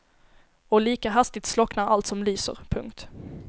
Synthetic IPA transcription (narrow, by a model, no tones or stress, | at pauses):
ɔliːkaɦast̪ɪt̪slɔknaɾalt̪sɔmlyːsə̰ɾpʰɵŋkt̪